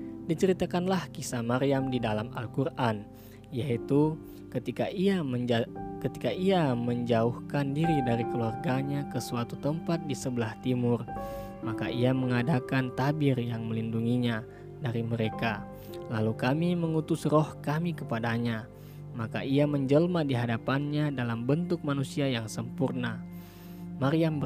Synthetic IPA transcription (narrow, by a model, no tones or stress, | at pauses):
dit͡ʃəɾit̪akanlahkisamaɾiamdidalama̰lkurʔan | jait̪u | kət̪ikaia | kət̪i̥kaʔiaməɲd͡ʒauhkandiɾidaɾikəluarɡaɲakəsuat̪ut̪əmpat̪̚disəbəlaht̪imʊr | maka̰ʔiaməŋadakant̪abɪrjaŋməlinduŋiɲa | daɾiməɾeka | lalukamiməŋut̪ʊsrɔhkamikəpadaɲa | makaʔiaməɲd͡ʒəlmadiɦadapanɲadalambənt̪ʊk̚manusiajaŋsəmpurna | maɾiamb